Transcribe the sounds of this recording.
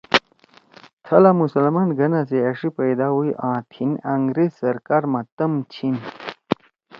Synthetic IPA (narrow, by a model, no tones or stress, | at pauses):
t̪ʰɐlamusɐlmanɡʱɐnaseɐʂipɐjd̪aɦuiʔãːt̪ʰinaŋɡɾezsɐɾkaːɾmãt̪ɐmt͡ɕʰin